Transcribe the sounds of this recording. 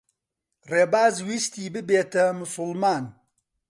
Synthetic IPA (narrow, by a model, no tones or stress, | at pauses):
reːbaːzwist̪iːbɨbeːt̪ɐmʊsʊlmaːn